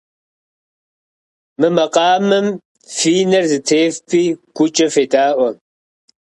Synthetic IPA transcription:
mɨmɐqɑːmɨm | fiːnɐrzɨtʰeːfpʰiːɡ̥ʷʊt͡ʃʼɐfeːtʼaːʔʷɔ

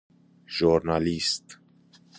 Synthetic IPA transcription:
ʒuɾnalist̪

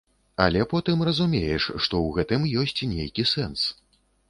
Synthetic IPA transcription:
ɐ̰lʲɛpɔt̪ɨmrɐzumʲejɛʂʂt̪ɔwɣɛt̪ɨmjɔsʲt͡sʲnʲḛjkʲisɛns

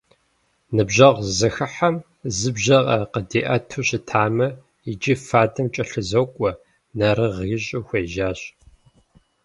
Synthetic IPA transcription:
nɨbʑɐʁzɨxɨħɐm | zɨbʑɐʁɐqədiːʔɐtʰuɕɪtʰaːmɐ | id͡ʒʼifaːdɨmt͡ʃʼɐɬɨzowkʷʼɔ | nɐɾɨʁiːɕʼuxʷeːʒaːɕ

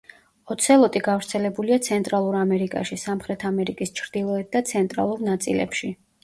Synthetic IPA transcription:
ɔt̪sʰɛlˠɔt̪ʼiɡavɾt̪sʰɛlɛbuliat̪sʰɛnt̪ʼɾalˠuɾamɛɾikʼa̰ʃisamχɾɛt̪ʰamɛɾikʼist͡ʃʰɾd̪̥ilˠɔɛt̪̚d̪at̪sʰɛnt̪ʼɾa̰lˠuɾnat̪sʼḭlɛ̰pʃi

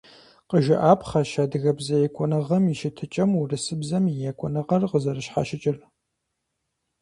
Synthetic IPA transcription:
qəʒɪʔaːpʰχɐʃaːdɨɣɐbzɐjɛkʷʼɔnɐʁɐmiʃɪtʰɨt͡ʃʼɐmurɨsɨbzɐmjijɛkʷʼɔnɐʁɐrqəzɐrɨʃħa̰ʃɪt͡ʃʼɪr

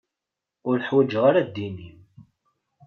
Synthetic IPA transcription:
ʊɾəħwæd͡ʒʁaɾad̪ːinim

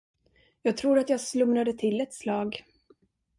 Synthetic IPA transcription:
jɑːɡ̚t̪ʰɾuːɾat̪jɑːɡslɵmɾad̪ət̪ʰɪlːɛt̪slɑːɡ

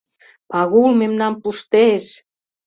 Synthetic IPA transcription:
pɑɣulmemnɑmpuʃt̪eʃ

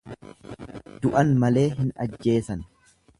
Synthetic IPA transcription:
d̪ʊʔɐnmɐle̞ːɦɪnɐ̰d͡ʒːe̞ːsɐn

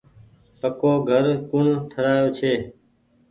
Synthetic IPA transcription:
pəkoːɡʱəɾkʊɳʈʰəɾaːjoːt͡ʃʰeː

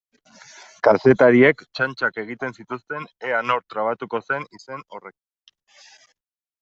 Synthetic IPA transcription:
kase̞t̪aɾie̞kt͡ʃant͡ʃake̞ɣ̞it̪e̞nsit̪ust̪e̞neano̞ɾt̪ɾaβat̪uko̞se̞nise̞no̞re̞k

